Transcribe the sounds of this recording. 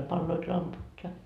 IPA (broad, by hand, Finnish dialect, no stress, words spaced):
pɑlːoit lɑmput jɑ